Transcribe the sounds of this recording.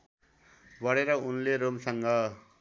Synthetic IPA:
bʌɽeɾʌunleɾomsʌŋɡʌ

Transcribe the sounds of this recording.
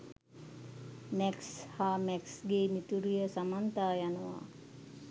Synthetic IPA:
mɛkshaːmɛksɡeːmit̪uɾijəsamant̪aːjanəʋa̰

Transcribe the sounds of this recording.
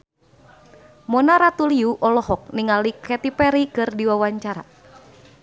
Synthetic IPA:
mɔnaɾat̪uliuʔɔlɔɦɔk̚niŋalikɛt̪ipɛɾikɨrdiwawaɲt͡ʃaɾa̰

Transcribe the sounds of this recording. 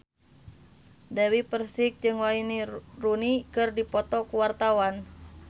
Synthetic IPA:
dawipərsik̚d͡ʒɨŋwainirunikɨrdipɔt̪ɔkuwart̪awan

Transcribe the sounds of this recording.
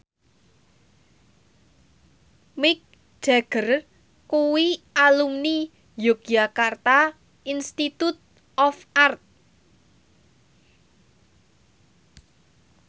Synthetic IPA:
mɪk̚ | d͡ʒ̥a̤ɡ̥ər | kuwialumni | jok̚jakart̪a | inst̪it̪ut̪̚ | ɔfʔart̪̚

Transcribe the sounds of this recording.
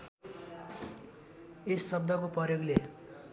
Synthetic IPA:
esːʌb̚d̪ʱʌkoprʌrjoɡle

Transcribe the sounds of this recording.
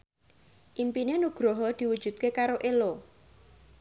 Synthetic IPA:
ʔimpinenuɡ̥ɾoɦɔd̪̥i̤wud̥ʒ̥ṳt̪̚kekaɾoʔelo

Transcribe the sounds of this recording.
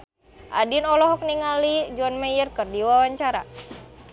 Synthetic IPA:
ʔa̰dinɔlɔɦɔk̚niŋalid͡ʒɔnmɛjərkərdiwawaɲt͡ʃaɾa̰

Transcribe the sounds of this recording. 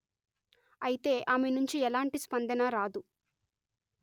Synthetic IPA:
ɐjit̪e̞ːʔaːmenuɲt͡ʃiɛlaːɳʈispɐnd̪ɐnɐɾaːd̪u

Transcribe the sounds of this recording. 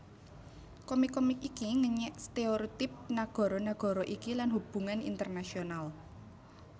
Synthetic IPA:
kɔmikɔmikikiŋəɲɛʔst̪eoɾit̪ɪp̚naɡ̥ɔ̤ɾɔnaɡ̥ɔ̤ɾɔʔikilanhub̥ṳŋanḭnt̪ərnasional

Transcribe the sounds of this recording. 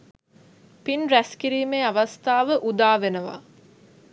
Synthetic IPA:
pinɾæskiɾiːmeːaʋast̪aːʋəʔud̪aːʋenəʋa̰

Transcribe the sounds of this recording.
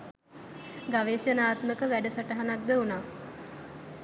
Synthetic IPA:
ɡaʋeːsjənaːt̪məkəʋæɖəsəʈəɦanak̚d̪əunaː

